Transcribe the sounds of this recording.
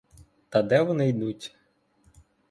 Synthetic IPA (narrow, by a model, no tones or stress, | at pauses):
t̪ɐd̪ɛʋɔnɪjd̪utʲ